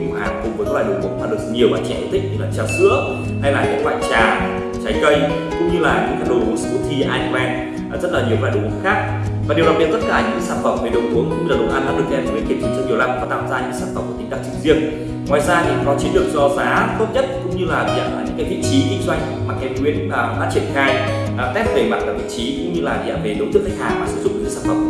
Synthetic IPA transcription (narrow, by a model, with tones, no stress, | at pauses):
mo˨˩ha̰ː˨˩ŋkʊ˧ŋ͡mvə˨˦kɔ˦˥laː˧˨˩ɗo˨˩vṵ˨˩ə˦maː˨˩ɨ˨˩kɲi˨˩əwɓaː˧˩t͡ɕɛ̰˧˩ʔt̪ʰï˧˩ŋ̚t̪ʰi˧˩klaː˨˩t͡ɕaː˨˩sɨ̰˧˥ə | ha˧jlaː˨˩ɲa̰˨˦k̚ɓa̰ː˧˨t͡ɕaː˨˩ | t͡ɕa˨˦jkə˧j | kʊ̰˧˥ŋ͡mɲɨ˧laː˨˩ɲɨ̰˧˥ŋkaː˧˦ɗo˨˩˨sɨ̰˧˥əxʰi˧ʔaː˧jwɛ˧˨˩ | zə˦˥t̚laː˨˩ɲ˨˩wkːaː˧˩˨o˨˩wə̰˨˧˨xaː˦˥k̚ | vaː˨˩e˨˩wla˨˩ɓi˨˩t̪̚t̚kaː˧˩ɲɨ̰˧ŋkːaː˨˦saː˦˥p̚və̰˨˧˩wk͡p̚ne˨˩ɗə˨˩wʔəŋkʊ̰˧˥ŋ͡mɲɨ˧laː˨˩ə˨˩wʔaː˧nɗaː˧˥ɗɨ˨˩ək̚ɛ˧˩˨nkʰi˨˩tt͡ɕi˨˦t͡ɕɔ˧ɲi˨˩əwla˧˩mvaː˨˦t̪aː˧˨mzaː˧ɲɨ̰˧˥˧saː˦˥va̰˨˩w̚ŋ͡mkːt̪i˨˦ŋɗaː˧˩ŋt͡ɕi˨˧˩ŋzi˧ən | ŋwaː˨˩jzaː˧t̪ʰi˨˩˨kɔ˨˦t͡ɕi˨˦nɗɨ˨˩ək̚zɔ˧zaː˨˦t̪o˦˥t̚ɲə˦˥t̚kʊ̰˧˥ŋ͡mɲɨ˧laː˨˩vḭ˧˨a̰ː˧˩aː˨˩ɲɨ̰˧˥ŋkaː˨˦jvḭ˧˨t͡ɕi˨˦kï̟˨˦t͡ɕwa˧˩jŋ̟maː˨˩kɛ˨˦ŋwi˧˥ənaː˨˩˨ɗa̰ː˧˥t͡ɕwi˧˩ənxaː˧j | ʔt̪ɛ˦˥p̚ve˨˩ma̰ː˨˧˨nkaː˧˩vḭ˧˨t͡ɕi˨˦kʊ̰˧˥ŋ͡mɲɨ˧laː˨˩vḭ˧˨ʔa̰ː˧˩ve˨˩ɗə˨˧˦wt̪ɨ˦˥əkːa˦˥k̟haː˨˩maː˨˩sɨ̰˧˥zʊ˦˥ɲ̰ɨ̰˧˥kːɨ˨˦saː˧˥fə˧˩wŋ͡m